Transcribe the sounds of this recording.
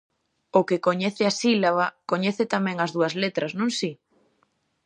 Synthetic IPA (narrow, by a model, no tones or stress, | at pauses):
okɪkoɲɛθɪasilaβakoɲɛθɪt̪amɛ̃ŋɐzðuɐzlet̪ɾɐznõŋsi